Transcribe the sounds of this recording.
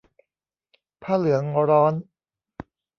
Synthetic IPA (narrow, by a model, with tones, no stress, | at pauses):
pʰaː˥˩lɯ˩˦ɐŋɾɔː˦˥n